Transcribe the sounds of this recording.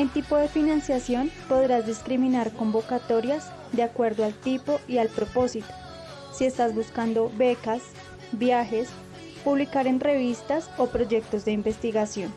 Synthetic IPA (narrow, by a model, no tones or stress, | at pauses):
ent̪ipo̞ðe̞finãnsjasjo̞npo̞ðɾazd̪iskɾimĩnaɾko̞mbo̞kat̪o̞ɾjasz | d̪eakwe̞ɾd̪oalt̪ipo̞ialpɾo̞po̞sit̪o | sie̞st̪azbuskand̪o̞βe̞kas | bjaxe̞s | puβlikaɾe̞nre̞βist̪aso̞pɾo̞ʝe̞k̚t̪o̞zd̪e̞imbe̞st̪iɣasjo̞n